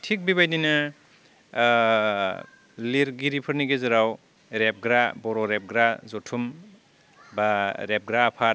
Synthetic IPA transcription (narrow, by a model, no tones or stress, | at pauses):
tʰik̚bibajdina | liɾɡiɾipʰɯɾniɡezɯɾaw | ɾep̚ɡɾabɔɾɔɾep̚ɡɾazɔtʰum | baɾep̚ɡɾaːpʰa